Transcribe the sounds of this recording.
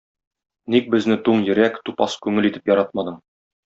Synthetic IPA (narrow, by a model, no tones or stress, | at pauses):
nik̚bɘ̆znɘt̪uɴjɘ̆ɾækt̪upɑskʉŋɘlit̪ɘ̥pjɒɾɑt̪̚mɑd̪ɤɴ